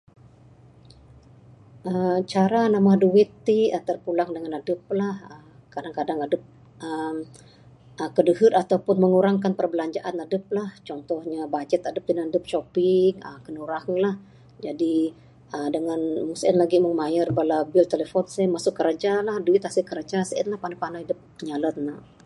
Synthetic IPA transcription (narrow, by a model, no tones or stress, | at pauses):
ʔəmt͡ʃaɾanamaduwɪt̪ːiət̪ərpulaŋdəŋanadəp̚lahəm | kadaŋkadaŋadəp̚ | ʔəm | ʔəkədəɦət̪at̪awpʊnməŋuɾaŋkanpərbəlaɲd͡ʒaʔanadəp̚laht͡ʃɔnt̪ɔhɲabad͡ʒɛt̪adəp̚dənandəp̚ʃopɪŋəkənuɾaŋlah | d͡ʒadi | ədəŋanmuŋsəɛnlaɡiməŋmajərbalabɪlt̪eləfɔnsɛmasʊkːəɾad͡ʒalahduɪt̪̚hasikəɾad͡ʒasəʔɛ̰nlahpanapanajdəp̚əɲalət̪̚na